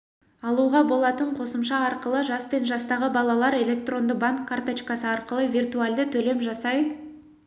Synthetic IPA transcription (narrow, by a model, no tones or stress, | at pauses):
ɑlˠuʁɑbo̞lˠɑt̪əɴqʰo̞səmʃɑɑɾqəlˠəʒɑspe̞nʒɑst̪ɑʁəbɑlˠɑlˠɑɾe̞lʲe̞kt̪ro̞nd̪əbaŋkkʰːart̪ot͡ʃkɑsəɑɾqəlˠəvʲijrt̪uald̪ɪt̪ʰɵle̞mʒɑsɑj